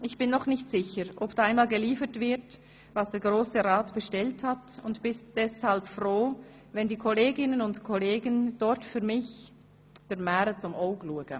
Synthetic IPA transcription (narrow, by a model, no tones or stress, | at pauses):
ʔɪçb̥ɪnːɔχnɪçtz̥ɪçəɾʔɔpd̥aaɪnmaːlɡəliːfətv̥ɪɐt | vasd̥eːɐɡ̥ʁoːsəʁaːtb̥əʃtɛlthatʊntb̥ɪst̚d̥ɛshalpfʁoː | vɛndiːkʰoleːɡɪnənʊntkʰɔleːɡənd̥ɔɾtfyːɐmɪç | d̥eːɐmɛːɾət͡sʊmʔoʊɡluːəɡə